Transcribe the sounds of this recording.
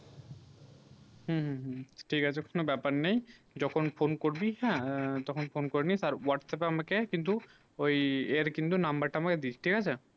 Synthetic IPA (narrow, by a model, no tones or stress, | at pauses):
ɦũɦɦʈʰikat͡ʃʰɛkonobɛpaɾnej̃ | d͡ʒɔkʰɔnpʰonkoɾbiɦɛ̃t̪ɔkʰɔnpʰonkoɾnisaɾwaʈsɛpamakekint̪u | oieɾkint̪̬unambəɾʈaamaked̪it͡ʃʰʈʰikat͡ʃʰe